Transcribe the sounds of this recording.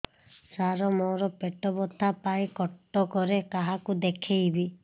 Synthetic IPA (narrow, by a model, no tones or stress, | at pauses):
saɾɔmɔɾɔpeʈɔbɔt̪ʰapajkɔʈːɔkɔɾekaɦakud̪ekʰejbi